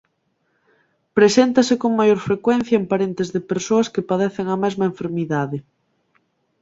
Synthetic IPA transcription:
pɾesent̪asekoŋmajoɾfɾekwɛn̟θjaempaɾent̪ezðepeɾsoɐskepaðeθeŋamɛzmɐeɱfeɾmiðaðe

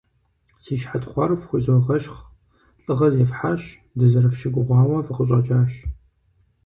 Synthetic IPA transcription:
siːʃħatχʷɑrfxʷʊzoʁɐʃχ | ɬʼɨʁɐzeːfħaɕ | dɨzɐrɨfʃɪɡʷʊʁʷɑːwɐfɨqəɕ̬ʼɐt͡ʃʼaːʃ

